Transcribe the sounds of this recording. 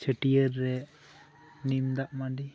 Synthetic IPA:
t͡ʃʰəʈiəɾːɛ | nimd̪aʔmaɖi

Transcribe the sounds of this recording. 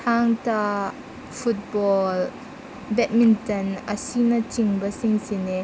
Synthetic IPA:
tʰaŋta | fʊt̚bɔl | bɛt̚mintɐnəsinat͡ʃiŋbasiŋsinɛ

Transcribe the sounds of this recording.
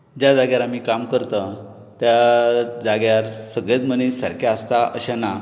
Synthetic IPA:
d͡ʑjad͡zaɡjaɾam̤iːkamkəɾt̪ə | t̪jad͡zaɡjaɾsəɡɭjat͡smənisaɾkʰjaəst̪aəɕana

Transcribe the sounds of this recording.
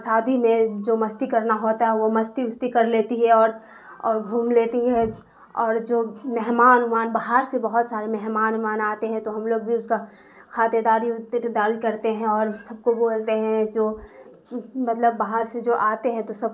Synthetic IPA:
saːd̪ʱimẽd͡ʒoːmɐst̪ikɐɾnaɦoːt̪aɦɛʋomɐst̪iʊst̪ikɐɾleːt̪iɦɛɔːɾ | ɔːɾɡʱuːmleːt̪iɦɛ̃ | ɔːɾd͡ʒoːmɛɦmaːnʊmaːnbaɦaɾsebɐɦʊt̪saːɾemɛɦmaːnʊmaːnaːt̪eɦɛ̃t̪oɦɐmloːɡ̚bʱiʊska | kʰaːt̪ed̪aːɾid̪aːɪlkɐɾt̪eɦɛ̃ɔːɾsɐb̚koboːlt̪eɦɛ̃d͡ʒoː | mɐt̪ləbːaːɦəɾsed͡ʒoːʔaːt̪eɦɛ̃t̪osɐb̚

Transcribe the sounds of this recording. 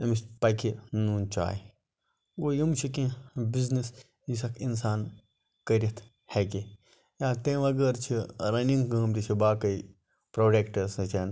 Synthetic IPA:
ɐmispɐkʰinuːnt͡ʃa̰ːj | oːjimt͡ʃʰikĩbiznis | jisɐkʰinsaːn | kɐɾʲɐt̪ʰ | hɛk̬i | jãːt̪ẽːʋɐɡəɾt͡ʃʰiɾɐniŋɡkəːmt̪it͡ʃʰibaːkɐi | pɾoːɖeːkʈɐsɨ̃t͡ʃʰen

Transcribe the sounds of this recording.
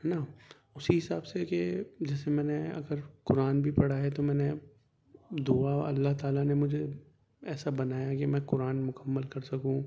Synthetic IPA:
naː | ʊsiɦɪsaːbseked͡ʒɛːsemɛ̃ːneɐ̰ɡəɾkʊɾaːnbʱipɐɽaɦɛt̪omɛ̃ːne | d̪uaɐ̰lːaɦt̪aːlanemʊd͡ʒʱe | ɛːsabɐnaːjakemɛ̃ːkʊɾaːnmʊkəmːəlkɐɾsɐkũ

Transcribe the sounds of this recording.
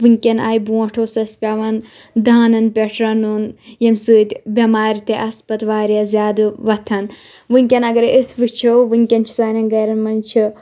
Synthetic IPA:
ʋɨŋʲkʲɐnaːjbuɐʈʰoːsɐspʲaːʋɐn | d̪aːnɐnpʲeʈʰɾɐnunjɐmsɨːt̪ʲbʲɐmaːɾit̪eʔɐspɐt̪ʋaːɾijazʲjaːd̪ɨʋɐt̪ʰɐn | ʋɨŋʲkʲɐnɐɡɐɾesʋɨt͡ʃʰoʋɨŋʲkʲɐnt͡ʃʰi̥saːnɐnɡɐːɾɐnmɐnt͡ʃʰi

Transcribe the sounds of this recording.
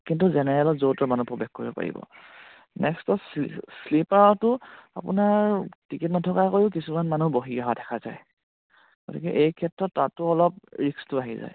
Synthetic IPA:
kintuzɛnɛɹɛlɔzowtɔmanupɹobɛxkoɹibɔpa̰ɹḭbɔ̰ | nɛkstɔsslipaɔtʊa̰pʊ̰naɹtikitnɔtʰɔkakojʊkisumanmanuboɦiaɦadʱɛkʰaza̰j | ɡ̥otḭkɛʔejkʰɛtɹɔtːatʊɔlɔp̚ɹikstʊaɦiza̰j

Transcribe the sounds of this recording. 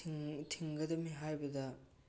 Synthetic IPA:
tʰiŋɡɐdɐmiɦajbɐdɐ

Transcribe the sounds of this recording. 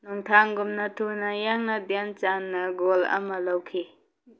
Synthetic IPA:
nuŋtʰaŋɡumnɐtʰonɐjaŋnɐdjant͡ʃanːɐɡolɐ̰mɐlawkʰi

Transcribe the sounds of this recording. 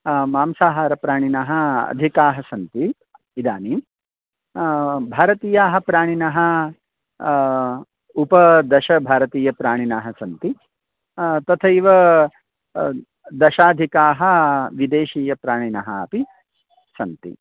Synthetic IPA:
maːmsaːɦaːɾɐpɾaːɳ̃inaɦɐ̆ɐ̰d̪ʱikaːɦɐsɐnt̪i | id̪aːniːm | bʱaːɾɐt̪iːjaːɦɐ̆pɾaːɳ̃inɐɦɐ̆ | upɐd̪ɐʃɐbʱaːɾɐt̪iːjɐpɾaːɳ̃inaːɦɐsɐnt̪i | t̪ɐt̪ʰɐiʋɐ | d̪ɐʃaːd̪ʱikaːɦɐ̆ʋid̪eːʃiːjɐpɾaːɳ̃inɐɦɐɐ̰pi | sɐnt̪ḭ

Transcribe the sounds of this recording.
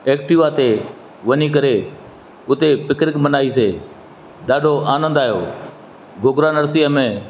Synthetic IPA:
eːkʈɪːʋaːt̪e | ʋəniːkəɾeː | ʊt̪eːpɪkɾɪkmənaːiːseː | ɗaːɖʱoːʔaːnə̃nd̪aːɦjoː | bʱʊɡɾaːnəɾsiːəmẽː

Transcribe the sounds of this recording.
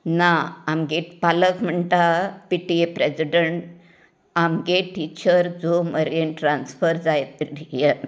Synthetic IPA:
naamɡeʈpaləkm̤əɳʈapiʈiepɾed͡ziɖəɳʈ | amɡeʈiːt͡ɕəɾd͡zoməɾenʈɾansfəɾd͡zajt̪ʈije

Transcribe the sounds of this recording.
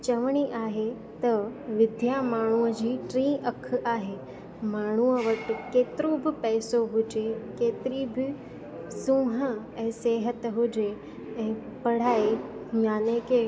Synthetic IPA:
t͡ɕɐʋɽ̃iʔaːɦe | t̪ɐʋɪd̪ʱjamaːɳ̤uəd͡ʑiːʈɾĩːʔɐkʰaːɦeː | maːɳ̤uəʋɐʈɪ̆keːt̪ɪɾobɪpɛːsoɦʊd͡ʑekeːt̪ɪɾibɪ | sũːɦə̆ | ɛ̃ːseːɦət̪ɦʊd͡ʑe | ɛ̃ː | pɐɽ̤aːejaːneke

